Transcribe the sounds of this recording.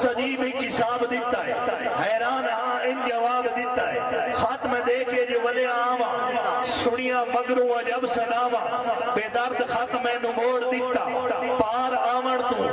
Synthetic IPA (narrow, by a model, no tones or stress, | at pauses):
sɐd͡ʒiːbɪ̃kɪsaːbd̪ɪt̪ːaːɦeːɦɛːɾaːnɦãɪ̃nd͡ʒɐʋaːbd̪ɪt̪ːaːɦeːxaːt̪mẽːɗ̪eːked͡ʒoːʋɐɗeaːʋãːsʊɽ̃ɪjãːmɐɡɾõːɐd͡ʒɐbsɐ̃ɗaːʋãːʋeːd̪ɐɾt̪xat̪mẽːnʊmoːɽd̪ɪt̪ːaːaːpaːɾãːʋəɽ̃t̪ũː